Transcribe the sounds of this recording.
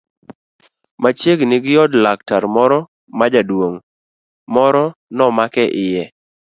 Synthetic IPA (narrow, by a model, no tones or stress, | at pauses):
mat͡ʃeɡnɪɡɪjɔdlak̚taɾmɔɾɔ | mad͡ʒadwoŋ | mɔɾɔnɔmakɛʔɪjɛ